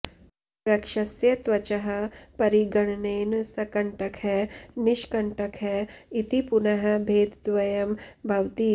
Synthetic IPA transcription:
ɾɐkʃɐsjɐt̪ʋɐt͡ʃɐɦɐ̆pɐɾiɡɐɽ̃neːnsɐkɐɳʈɐkɦɛnɪʃkɐɳʈɐkɦɛit̪ipunɐɦɐ̆bʱeːd̪d̪ʋɐjɐmbʱɐwt̪iː

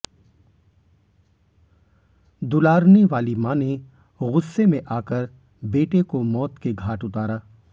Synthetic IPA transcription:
d̪ʊlaːɾneʋaːlimaːnẽ | ɣʊsːemẽʔaːkəɾ | beːʈekomɔːt̪keɡʱaːʈʊt̪aːɾaː

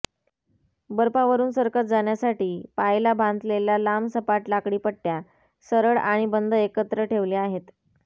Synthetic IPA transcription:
bəɾpaʋəɾuːnsəɾkət̪̚d͡zaɳjasaʈiːpajlabʱãnt̪lelalamsəpaʈlakɽiːpəɽʈːja | səɾəɭaɽ̃ibənd̪ʱəekət̪ɾəʈʰeʋleaɦet̪

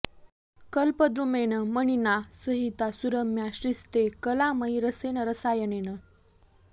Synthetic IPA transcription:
kəlpəd̪ɾumenəməɳ̃inasəɦit̪asuɾəmjaɕɾist̪ekəlaməjɾəsenəɾəsajənenə

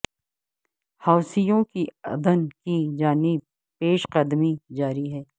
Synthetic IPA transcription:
haːʊsijõkiɐ̰d̪ənkid͡ʒaːnib | peːʃqəd̪mid͡ʒaːɾiɦɛː

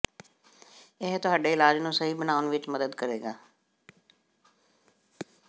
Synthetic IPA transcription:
ɪɦt̪ʊɦaːɖeːɪlaːd͡ʒnũːsəɦiːbənaːʊnʋɪt͡ʃməd̪əd̪kəɾeːɡaː

